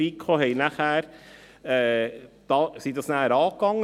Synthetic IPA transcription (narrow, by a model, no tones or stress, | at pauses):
iːkʰχoːɦɛɪjnæχæːɾ | ɛːd̪̥ɑːsid̪ɑsnæːɾɑːkɑŋː